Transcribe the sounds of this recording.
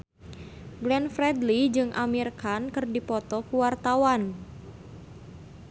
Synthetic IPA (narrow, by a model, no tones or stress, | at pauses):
ɡlɛnfɾɛdlid͡ʒɨŋʔamirkankɨrdipɔt̪ɔkuwart̪awan